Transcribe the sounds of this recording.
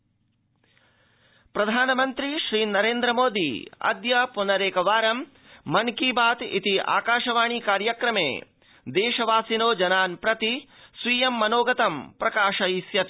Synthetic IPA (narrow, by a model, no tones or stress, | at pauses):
pɾɐd̪ʱaːnɐmɐnt̪ɾiʃɾiːnɐɾeːnd̪ɾɐmoːd̪ḭɐ̰d̪jɐpunɐɾeːkɐʋaːɾɐmː | ɐnkibaːt̪ḭt̪iʔa̰ːkaːʃɐʋaːɳiːkaːɾjɐkɾɐmḛː | d̪eːʃɐʋaːsinoːd͡ʒɐnaːnpɾɐt̪isʋiːjɐmːɐnoːɡɐt̪ɐmpɾɐkaːʃɐisjɐt̪i